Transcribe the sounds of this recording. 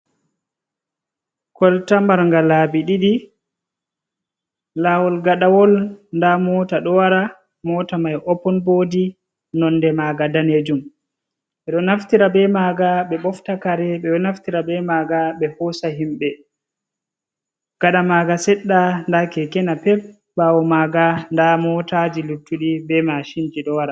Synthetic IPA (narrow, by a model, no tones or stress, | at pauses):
kɔltambaɾŋɡalaːbiɗiɗi | lawɔlɡaɗawɔlndamɔːtaɗɔwaɾa | mɔtamajʔɔpːɔnbodi | nɔndɛmaːɡadaned͡ʒum | ɓɛɗɔnaftiɾabɛmaɡaɓɛɓɔftakaɾɛɓɛɔnaftiɾabɛmaːɡaɓɛhɔsaɦimɓɛ | ɡ̥aɗamaɡasɛɗːandakɛkɛnapɛp̚ | bawɔmaɡandamɔtad͡ʒilutːuɗibɛmaʃind͡ʒiɗɔwaɾa